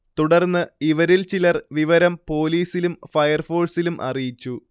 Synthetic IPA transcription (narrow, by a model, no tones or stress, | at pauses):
t̪uɽɐrnːɨiʋɐɾilt͡ɕilɐrʋiʋɐɾɐmpo̞ːliːsilumfɐjɐrfo̞ːɭsilumʔɐ̰rijit͡ɕːu